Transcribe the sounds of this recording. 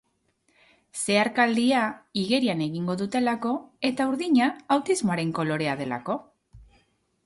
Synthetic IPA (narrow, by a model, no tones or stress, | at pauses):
se̞aɾkald̪iaiɣe̞ɾiane̞ɣiŋɡo̞ðut̪e̞lako̞e̞t̪auɾðiɲaːwt̪izmoaɾe̞ŋko̞lo̞ɾe̞að̞e̞la̰ko̞